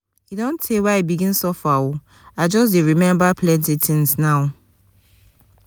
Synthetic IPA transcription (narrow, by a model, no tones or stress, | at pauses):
idɔ̃ntʰewaibiɡĩnsɔfau | ad͡ʒɔs̬deɹimɛ̃mbapʰlɛ̃ntitʰĩŋsnaʊ